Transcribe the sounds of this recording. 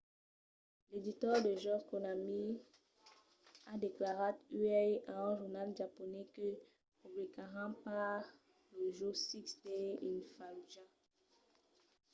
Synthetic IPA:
led̪it̪œʁd̪əʒɔkonami | ad̪eklaʁatyɛãɛ̃ʒuʁnalʒapɔnɛkø | ubikaʁɑ̃pa | ləʒosiksɛinfalʒã

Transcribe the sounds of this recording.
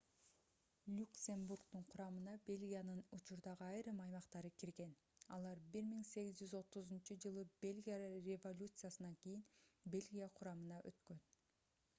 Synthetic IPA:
lʲuksʲemburkt̪uɴqʰʊɾɑmɯnɑbe̞lʲɡʲijanɯnut͡ʃuɾd̪ɑʁɯɑjɾɯmɑjmɑqt̪ɑɾɯkiɾɡe̞n | ɑ̰lˠɑɾbiɾmiŋse̞ɡizd͡ʒyzo̞t̪uzunt͡ʃud͡ʒɯlˠɯb̥e̞lʲɡʲijarʲevo̞lʲut̪sɨjasɯnɑŋkijinbe̞lʲɡʲijaqʰʊɾɑmɯnɑʔø̰t̪kø̞n

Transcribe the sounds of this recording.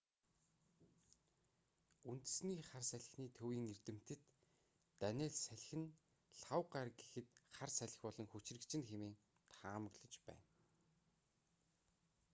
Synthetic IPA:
unt̪̆sniːχarsæɮʲɪ̆xniːt̪ʰɵwiːŋert̪ɘ̆m̥t̪ɘ̆t̪ː | ænʲeːɮsæɮ̆ʲxɘ̆n | ɬawɢarɡexɘ̆t̪χarsæɮʲɪ̆xpɔɮɞ̆ŋxɵt͡ɕrɘ̆kt͡ɕʰɪ̆nxemeːŋ | t̪ʰaːmə̆ɣɮə̆t͡ɕpæ̰ːn

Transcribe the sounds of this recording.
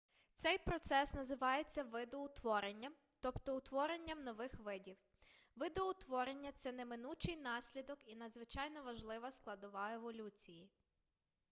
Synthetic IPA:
t̪sɛjpɾɔt̪sɛsnɐzɪʋɑjet͡sʲːɐʋɪd̪ɔʊt̪ʋɔɾenʲːɐm | t̪ɔpt̪ɔʊt̪ʋɔɾe̞nʲːɐmnɔʋɪxʋɪdʲiw | ʋɪd̪ɔʊt̪ʋɔɾe̞nʲːɐt̪sɛnemɪnut͡ʃɪjnɑsʲlʲid̪ɔkinɐd̪zʋɪt͡ʃɑjnɔʋɐʒlˠɪʋɐsklˠɐd̪ʊʋɑeʋɔlʲut͡sʲiji

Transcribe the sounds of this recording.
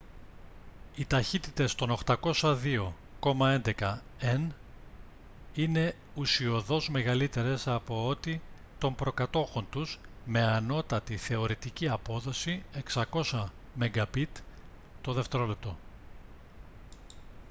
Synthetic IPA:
it̪ɐçit̪it̪e̞st̪o̞no̞xt̪ɐko̞sɐðio̞ | ko̞mɐe̞nd̪e̞kɐen | ine̞ | usio̞ðo̞zme̞ɣɐlit̪e̞ɾe̞sɐpo̞ot̪i | t̪o̞mbɾo̞kɐt̪o̞xo̞nt̪uzme̞ɐno̞t̪ɐt̪iθe̞o̞ɾit̪iciɐpo̞ðo̞sie̞ksɐko̞sɐ | me̞ŋɡɐpit̪ | t̪o̞ðe̞ft̪e̞ɾo̞lep̚t̪o̞

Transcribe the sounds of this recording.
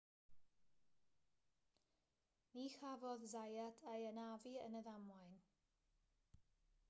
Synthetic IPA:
niːxavɔðzajadʰajənaviə̰nəðamwajn

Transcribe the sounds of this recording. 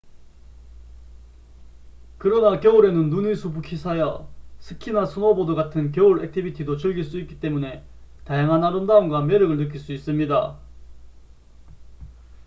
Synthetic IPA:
kɯɾʌnakjʌuɾe̞nɯnːunisʰubukʰisʰajʌsʰɯkʰinasʰunʌbodoɡatʰɯnk̬jʌuɾek̚tʰibitʰidot͡ɕɯɭɡiɭs͈uik͈̚i̥t͈e̞mune̞tajaŋɦanaɾɯndaumɡwame̞ɾɯɡɯɭnɯk̬͈iɭs͈uis͈ɯmɲida

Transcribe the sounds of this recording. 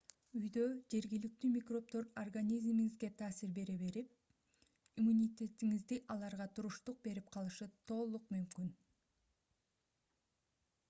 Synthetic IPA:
yjd̪ø̞d͡ʒe̞ɾɡilik̚t̪yːmʲikro̞p̚t̪o̞ɾorɡanʲizmiŋizɡe̞t̪ʰɑːsiɾbe̞ɾeβe̞ɾip̚ | imunʲit̪ʲe̞t̪iŋizd̪iʔɑlˠɑɾʁɑt̪ʰuɾuʃt̪uq̚be̞ɾip̚qʰɑlˠɯʃɯt̪ʰo̞ːlˠuq̚mymkyn

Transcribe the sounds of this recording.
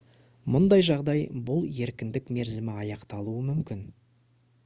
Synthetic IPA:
mʊnd̪ɑjʒɑʁd̪ɑjbʊlˠe̞ɾkʲɪnd̪ɪkme̞ɾzɪmɪɑjɑqt̪ɑlˠuəmʏmkʲɪn

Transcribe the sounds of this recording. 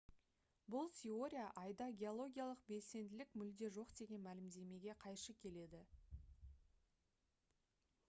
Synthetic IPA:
bʊlˠt̪ʲʰe̞o̞ɾʲijaʔɑjd̪ɑɡʲe̞olˠo̞ɡʲijalˠəq̚be̞lse̞nd̪ɪlɪkmʏld̪e̞ʒo̞qd̪e̞ɡʲe̞nmælɪmd̪e̞me̞ɡʲe̞qʰɑjʃəkʲʰe̞le̞d̪ɪ

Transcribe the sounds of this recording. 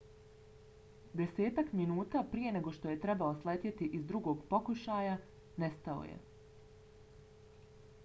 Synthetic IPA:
d̪e̞se̞ːt̪akminuːt̪aːpɾije̞ne̞ɡo̞ʃt̪o̞je̞t̪ɾe̞baoslet̪ʲjet̪iʔizd̪ɾuɡo̞ːɡpo̞kuʃaːja | nest̪ao̰jḛ

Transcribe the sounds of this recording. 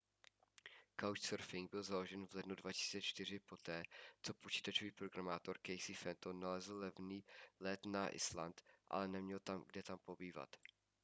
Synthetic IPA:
kawt͡ʃsɛɾfɪŋɡ̚bɪlzalo̞ʒɛnvlɛdnudvacɪ̥si̥ːt͡sɛt͡ʃt̪ɪr̝ɪpo̞t̪ɛːt͡so̞pot͡ʃi̥ːt̪at͡ʃoviːpɾoɡɾamaːt̪o̞ɾkɛjsɪfɛnt̪onalɛzl̩lɛvniːlɛt̪naʔɪ̰sla̰nt̪ʔa̰lɛnɛmɲɛlt̪amɡdɛt̪ampo̞biːva̰t̪

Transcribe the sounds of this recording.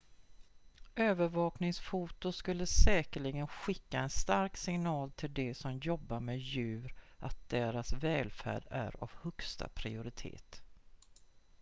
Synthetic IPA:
øːvəɾvɑːknɪŋsfuːt̪ʊskɵlːəsɛːkəɭɪɡənɧɪkːaɛnst̪aɾksɪŋnɑːlt̪ʰɪld̪ɛsɔmjɔbːaɾmɛjʉ̟ːɾʔat̪̚d̪̥eːɾasvɛːlfæ̰ːɖæ̰ɾa̰vhɵkst̪a̰pʰɾɪʊɾɪt̪ʰḛːt̪

